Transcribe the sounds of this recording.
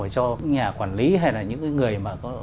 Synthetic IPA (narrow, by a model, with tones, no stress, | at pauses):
t͡ɕɔ˧ɲaː˨˩kwaː˧˩nli˨˦ɦa˧jlaː˨˩ɲɨ̰˧˥ŋkaː˨˦jŋɨ˨˩əjmaː˨˩kɔ˨˦